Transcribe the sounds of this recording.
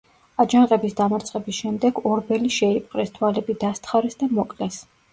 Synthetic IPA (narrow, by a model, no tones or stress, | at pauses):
ad͡ʒaŋqʼɛbisd̪amaɾt̪sʼɛbisʃɛmd̪ɛɡɔɾbɛliʃɛip̚ʰʼqʼɾɛst̪ʰwalɛbid̪ast̪ʰχaɾɛsd̪amɔkʼlɛs